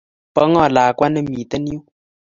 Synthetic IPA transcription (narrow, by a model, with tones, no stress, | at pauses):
pɔ˨˦ŋɔ˦˨laː˨kwa˦nɨ˦mi˨tə˦ni˦u˦